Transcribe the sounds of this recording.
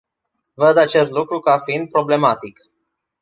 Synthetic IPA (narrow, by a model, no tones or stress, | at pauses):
vəd̪at͡ʃe̞st̪lukɾukafiind̪̚pɾo̞ble̞mat̪ik